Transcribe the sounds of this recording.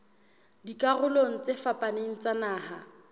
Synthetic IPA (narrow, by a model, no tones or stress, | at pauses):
dikʼarʊloŋ̩t͡sefapʼaneŋ̩t͡sanaːha